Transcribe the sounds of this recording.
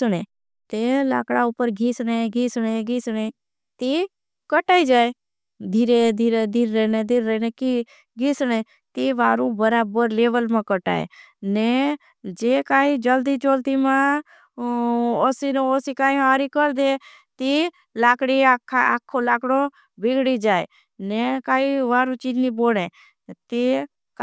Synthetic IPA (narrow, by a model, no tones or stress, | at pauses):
ɽ̃e | t̪ela̰ːkɽaʊpəɾɡʱiːsneɡʱiːsɽeɡʱiːsɽ̃e | t̪i | kəʈaːid͡ʒaːe | d̪ʱiːɾed̪ʱiːɾed̪ʱiɾːeːned̪ʱiɾːɛːneki | ɡʱiːsɽ̃e | t̪iʋaːɾũbəɾaːbəɾleːʋəlmãkəʈa̰ːḛ | ne | d͡ʒekaːid͡ʒəld̪it͡ʃoːlt̪imã | osinosikaːĩɦaːɾikəɾd̪e | t̪i | laːkɽiakʰːaa̰ːkʰːolaːkɽõ | bɪɡɽid͡ʒaːe | nekaːiʋaːɾut͡ʃid͡ʒniboːɽe | t̪i | k